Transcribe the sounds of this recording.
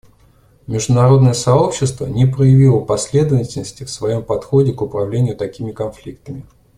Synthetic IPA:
mʲɪʐd̪ʊnɐɾo̞d̪nəjəsɐo̞pɕːɪst̪vənʲɪpɾəjɪvʲilˠəpɐsʲlʲe̞d̪əvətʲɪlʲnəsʲtʲɪfsvɐjo̞mpɐt̪xo̞dʲɪkʊpɾɐvlʲenʲɪjʊt̪ɐkʲimʲɪkɐnflʲik̚t̪əmʲɪ

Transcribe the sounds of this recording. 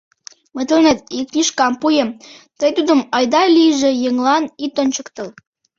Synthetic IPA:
mə̆t̪ənet̪iknʲiʃkɑmpujə̆mt̪əjt̪ud̪ə̆mɑjd̪ɑlʲijʒĕjĕŋlˠɑnit̪onʲt͡ɕəkt̪ə̆l

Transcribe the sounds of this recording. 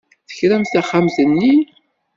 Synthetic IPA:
θə̥çɾæmθæχːamzənːi

